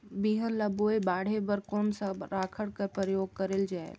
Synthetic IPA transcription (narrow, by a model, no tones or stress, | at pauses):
biɦəɾlɐboːebaːɽ̤ebəɾkɔːnsaɾaːkʰəɽkəɾpɾəjoːɡ̚kəɾeld͡ʒaːḛl